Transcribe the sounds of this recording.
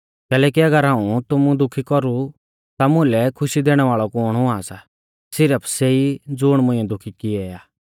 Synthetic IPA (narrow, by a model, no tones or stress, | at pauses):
kɛːlɛːk̬iɐɡəɾɦãːũt̪ʊmũd̪ʊkʰikɔɾu | t̪amʊ̃lɛkʰʊʃid̪eːɽ̃ɛʋaːɭɔkɔːɽ̃ɦʊaːsa | sɪɾəpʰseːid͡zʊɽ̃mʊ̃ɪ̃ɛ̃d̪ʊkʰikɪɛaː